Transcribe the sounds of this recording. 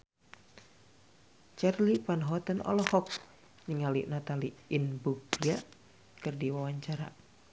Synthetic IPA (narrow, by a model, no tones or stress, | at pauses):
t͡ʃɛrlipanɦɔt̪ənɔ̰lɔhɔk̚ | ɲəŋalḭʔnat̪aliːnbuɡɾiaʔ | kɨrdiwawaɲt͡ʃaɾa̰